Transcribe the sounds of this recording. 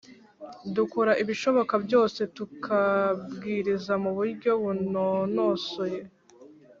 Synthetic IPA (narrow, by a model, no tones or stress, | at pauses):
dukuɾaʔiβiʃo̞βo̞kabɟo̞ːse̞tukʰabɡiːɾizamuβuɾɟo̞βunono̞soje̞